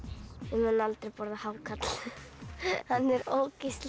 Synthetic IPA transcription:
ɪmɛnːalt̪ɾejpɔɾðahaːwkʰat̪l̥ | hanːɛɾoːwkɪst̪l

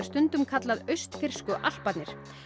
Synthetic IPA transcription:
st̪ʏnt̪ʏmkʰat̪laðœɥst̪fɪr̥skʏʔal̥pat̪nɪɾ̥

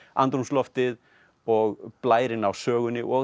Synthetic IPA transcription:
ant̪ɾumslɔft̪ɪð | ɔɣplaːjɾɪnawsœːɣʏnɪʔɔ

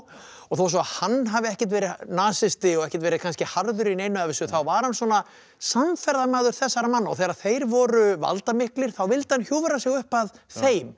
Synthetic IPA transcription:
ɔɣθows̬ɔahanːɦavɪɛhcɪ̥t̪̬vɛːɾɪnaːsɪst̪ɪɔɣɛhcɪ̥t̪vɛːɾɪ̥kʰanscɪhaɾðʏɾinejnːʏavɪsʏθawvaɾhanswɔna | samfɛɾðamaːðʏɾ̥θɛsːaɾamanːaɔɣθɛːɣɾaðθejɾvɔɾʏva̰lt̪amɪhklɪɾ̥θawvɪlt̪ɪ̥hançjoːvɾasɪɣʏhpaðθejm

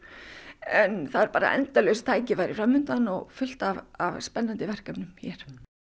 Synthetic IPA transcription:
ɛnθaðɛɾpaːɾa̰ʔɛ̰nt̪alœst̪ʰaːjcɪvajɾɪfɾamːʏnt̪anɔɣfʏl̥t̪avavspɛnːant̪ɪvɛr̥kapnʏmçɛɾ̥

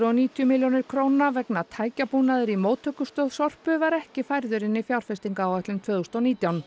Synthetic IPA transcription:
ɾɔniːt̪ʰjʏmiljownɪɾ̥kʰɾoːwnavɛknat̪ʰaːjcapunaðɪɾimoːwt̪ʰœkʏst̪œːðsɔr̥pʏvaɾɛhcɪfajɾðʏɾɪnːɪfjawɾ̥fɛst̪iŋkaːwɛht̪lʏnt̪vœːðʏst̪ɔwniːt̪jawn

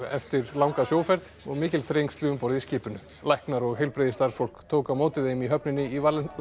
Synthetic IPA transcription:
ɛ̰ft̪ɪɾlawŋkasjoːwfɛɾð | ɔɣmɪːcɪlθɾejŋst̪lɪʏmpɔɾðɪiscɪːpʏnʏ | lajhknaɾɔɣɦejlpɾeːðɪst̪aɾrsfol̥kt̪ʰoːwkamoːwt̪ɪðejmiɦœpnɪnːɪiva

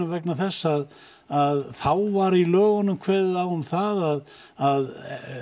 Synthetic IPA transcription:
ʏvɛknaθɛsːað | aðθawvaɾilœːɣanʏmkʰvɛːðɪðawʏmθaðað | að

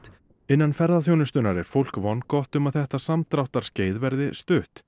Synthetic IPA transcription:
ɪnːanfɛɾðaθjownʏst̪ʏnaɾɛɾ̥fowl̥kvɔnkɔht̪ʏmaðθɛht̪asamt̪ɾawht̪aɾ̥sceːjðvɛɾðɪst̪ʏːht̪

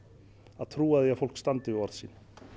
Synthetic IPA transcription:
aðt̪ʰɾuːaðɪafowl̥kst̪ant̪ɪɪɔɾðsiːn

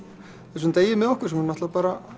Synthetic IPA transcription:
θθɛs̬ʏnt̪eːjːɪmɛðɔhkʏɾ̥sɛmhunaht̪lapaːɾa

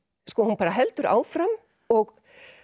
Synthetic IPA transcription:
skɔːhunpaːɾaɦɛlt̪ʏɾa̰ːwfɾam | ɔɣ

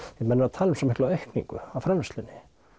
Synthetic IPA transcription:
vɪmɛnːɪɾaðt̪ʰaːlʏmsɛmɪhklaœɥhknḭŋkʏ̰awfɾɛmvɛst̪lɪnːɪ

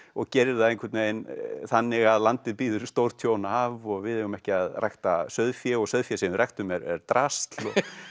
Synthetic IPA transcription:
ɔɣcɛɾɪðaðẽjŋkʰvɛɾt̪neːjnθanːɪɣaðlant̪ɪðpiːðʏɾst̪owɾt̪ʰjownaavɔɣvɪðɛɣʏmɛhcɪaðrajxt̪asœðfjɛɔɣsœðfjɛsɛmɪrɛht̪ʏmɛɾɛɾt̪ɾast̪lɔ

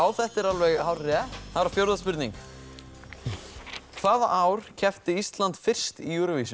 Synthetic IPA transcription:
awθɛht̪ɪɾalvɛɣhawɾrɛθaðɛɾafjowɾðaspʏɾt̪niŋk | kʰvaːðaʔaːwɾ̥cʰɛft̪ɪist̪lant̪fɪr̥st̪ijuːɾʏvisʏ

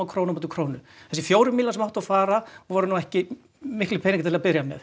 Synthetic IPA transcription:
wkʰɾoːwnnmoːt̪ɪ̥kʰɾownʏɛ̥s̬ɛfjoːwɾʏmilasɛmawht̪afaːɾavɔɾʏnuːɛhcɪ | mɪhklɪpʰɛːniŋkat̪ʰɪlðapɪɾjamɛ̰θ

